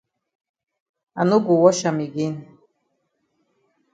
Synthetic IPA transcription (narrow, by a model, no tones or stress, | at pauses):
anuɡʷuwɔʃamiɡʲin